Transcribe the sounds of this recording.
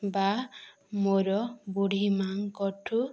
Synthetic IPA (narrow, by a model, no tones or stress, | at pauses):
ba | moɾɔbuɽ̤imaŋkɔʈʰu